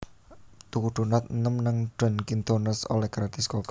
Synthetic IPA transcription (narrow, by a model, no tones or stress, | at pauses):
t̪ukuɖ̪̥o̤nat̪̚nəmnaŋɖ̪̥ɔ̤nkint̪onəso̰lɛhɡ̥ɾat̪ɛskok